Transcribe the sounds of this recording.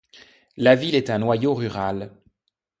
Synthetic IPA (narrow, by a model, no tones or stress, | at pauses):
lavilɛt̪ɛ̃nwajoʁyʁal